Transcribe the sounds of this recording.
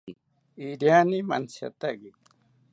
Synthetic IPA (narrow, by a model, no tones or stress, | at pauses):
iɾjaːnimɐ̰nsɐ̰t̪aɡi